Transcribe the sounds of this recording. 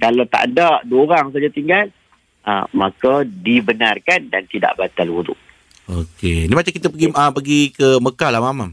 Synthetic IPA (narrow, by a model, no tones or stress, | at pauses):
kalawt̪a̰ʔdaʔduɾaŋs̬ad͡ʒat̪iŋɡal | əmakadibənarkandant̪ida̰ʔbat̪aluɾṵʔ̚ | okenimat͡ʃamkit̪əpəɡiəpəɡikəməkalamamam